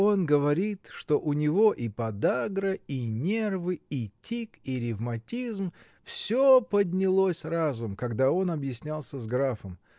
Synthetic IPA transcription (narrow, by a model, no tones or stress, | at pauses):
o̞nɡəvɐɾʲit̪ʂt̪o̞ʔʊnʲɪvo̞ʔipɐd̪aɡɾəinʲe̞rvɨitʲikiɾʲɪvmɐtʲizm | fsʲopədʲnʲɪlˠosʲrazʊmkɐɡd̪ao̞nɐbjɪsʲnʲalˠsʲəzɡɾafəm